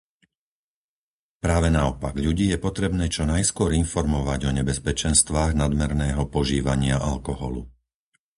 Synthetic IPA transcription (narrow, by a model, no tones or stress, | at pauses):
pɾaːʋɛnaɔpaɡʎuɟiːjɛpɔt̪ɾɛbnɛːt͡ʃɔnajskʊɔɾinfɔɾmɔʋaɟɔɲɛbɛspɛt͡ʃɛnst̪ʋaːɣnad̪mɛɾnɛːɦɔpɔʒiːʋaɲɪaʔalkɔɦɔ̰lṵ